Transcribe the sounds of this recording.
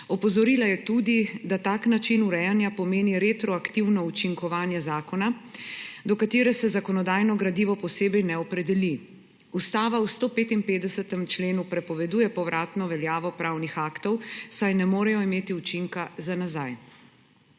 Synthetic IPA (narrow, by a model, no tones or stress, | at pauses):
ɔpɔzɔɾiːlajɛt̪ud̪id̪at̪aːknat͡ʃinuɾɛjanjapɔmeːniɾet̪ɾɔakt̪iwnɔut͡ʃiŋkɔʋaːnjɛzaːkɔna | d̪ɔkat̪eːɾɛsɛzakɔnɔd̪aːjnɔɡɾad̪iːʋɔpɔseːbɛjnɛɔpɾɛd̪ɛli | ust̪aːʋawst̪oːpeːt̪impeːd̪ɛsət̪ɛmt͡ʃleːnupɾɛpɔʋɛd̪uːjɛpɔwɾʔaːt̪nɔʋɛljaːʋɔpɾawnixaːkt̪ɔwsajnɛmoːɾɛjɔimeːt̪iut͡ʃiŋkazanazaj